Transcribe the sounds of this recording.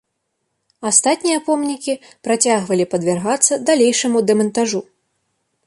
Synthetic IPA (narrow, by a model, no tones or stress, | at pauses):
ast̪at̪ʲnʲijɐpɔmnʲikʲipɾat͡sʲaɣvɐlʲipɐd̪vʲarɣat̪sːɐd̪alʲejʂɐmud̪ɛmɐnt̪aʐu